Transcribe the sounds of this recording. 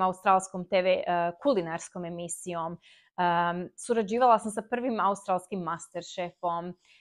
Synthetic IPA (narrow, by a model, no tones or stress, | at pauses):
aust̪ɾaːlˠsko̞mt̪eːʋekulinaɾsko̞me̞misijo̞m | suɾad͡ʑiːʋalˠasamsapr̩ʋimaust̪ɾaːlˠskimːast̪eɾʃefo̞m